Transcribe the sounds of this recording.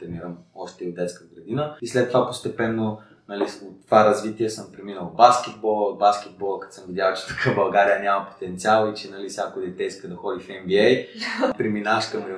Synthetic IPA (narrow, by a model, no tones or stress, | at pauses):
t̪ɾɛniɾəmɔʃt̪ɛiod̪d̪ɛt̪skəɡɾɐd̪inəislɛt̪ːovapost̪ɛpɛnːo | nɐliot̪ːovaɾɐzvit̪iɛsəmpɾɛminəlˠbask̟ɛt̪̚bɔlˠəod̪̚baskʲɛd̪̚bɔlˠəkɐ̥t̪səmvid̪ʲjalˠt͡ʃɛ̥t̪ɐ̥kʰabɐlˠɡaɾijənʲamɐpo̥t̪ɛnt̪sʲialˠit͡ʃɛnɐlisʲakod̪ɛt̪ɛiskəd̪ɐxɔd̪ifɛmbiɛjpɾiminaʃkɐmɾɛ